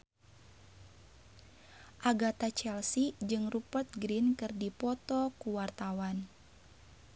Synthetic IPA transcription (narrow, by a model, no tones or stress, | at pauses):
ʔaɡat̪at͡ʃɛlsid͡ʒɨŋrupərt̪̚ɡɾinkɨrdipɔt̪ɔkuwart̪awan